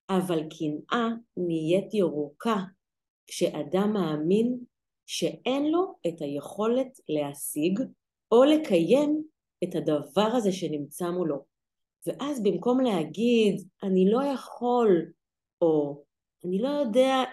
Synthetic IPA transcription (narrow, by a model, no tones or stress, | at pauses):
ʔavalkʰinʔanije̞tjeʁuka | kʃe̞ʔadamːaːmin | ʃe̞e̞nlo̞etaje̞χo̞le̞tle̞ɦasiɡ | o̞le̞kʰaje̞m | ethadavaʁaze̞ʃe̞nimt͡samolo̞ | veʔazbimko̞mleɦaɡidʔanilo̞jaχo̞l | o̞ | anilo̞jo̞de̞a